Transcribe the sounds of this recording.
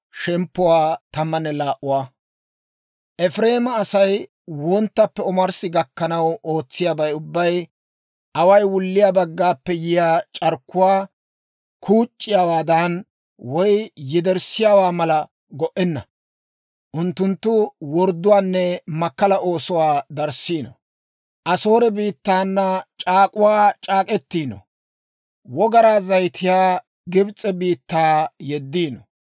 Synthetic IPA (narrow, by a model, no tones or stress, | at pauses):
ʃɛmpːɔwaːt̪ɐmːɐnːɛlaːʔʊwaː | ʔɛfɾe̞ːmɐːsɐj | wɔnt̪ːɐpːɛɔmɐɾsɪɡɐkːɐnɐwo̞ːt͡sːɪjaːbɐjʊbːɐj | ʔɐwɐjwʊlːɪjaːbɐɡːaːpːɛjɪjaːt͡ʃʼɐɾkːʊwaː | kʰuːt͡ʃʼːɪjaːwaːd̪an | wɔjjɪd̪ɛɾsɪjaːwaːmɐlɐ | ɡɔʔɛnːɐ | ʔʊnt̪ːʊnt̪ːʊwɔɾd̪ːʊwaːnːɛmɐkːɐlɐʔo̞ːsɔwaːd̪ɐɾsiːnɔ̰ | ʔɐso̞ːɾɛbiːt̪ːaːnːɐt͡ʃʼaːkʼʊwaːt͡ʃʼaːkʼɛt̪ːiːnɔ̰ | wɔɡɐɾaːzɐjt̪ʰɪjaː | ɡɪbt͡sʼɛbiːt̪ːaːjɛd̪ːiːnɔ̰